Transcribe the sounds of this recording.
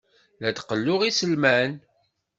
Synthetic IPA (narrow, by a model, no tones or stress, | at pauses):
læt̪qəlːʊʁisəlmæn